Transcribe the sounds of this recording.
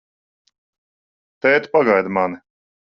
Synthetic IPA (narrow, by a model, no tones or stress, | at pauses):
t̪ɛːt̪paɡajd̪manɪ